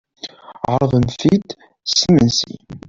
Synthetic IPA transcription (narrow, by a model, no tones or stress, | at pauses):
ʁəɾˤðˤəmθid̪ | simənsḭ